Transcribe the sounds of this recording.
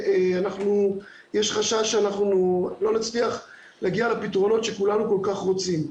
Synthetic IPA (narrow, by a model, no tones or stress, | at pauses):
eanaχnu | jeʃχaʃaʃeanaχnulo̞nat͡sliaχ | laɡialepitʁo̞no̞tʃe̞kulanuko̞lkaχʁo̞t͡sim